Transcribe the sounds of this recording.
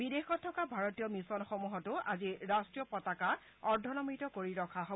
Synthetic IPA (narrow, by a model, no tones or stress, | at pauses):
bidexɔtʰːɔkabʱaɹotijɔmisɔnxɔmuɦɔtʊʔa̰ziɹastɹijɔpɔtaka | ɔɹdʱɔnɔmitɔkoɹiɹɔkʰaɦo